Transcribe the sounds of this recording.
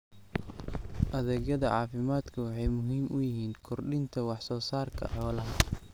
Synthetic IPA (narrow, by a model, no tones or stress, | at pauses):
ʔɐðɛːɣɐðɐʕɑːfɪmaːd̪kʰɐwɑħɑjmʊɦiːmʔʊjɪɦiːnkʰɔrɖɪnt̪ʰɐwɑħsɔːsaːrkʰɐ̰ħɔːlɐɦɐ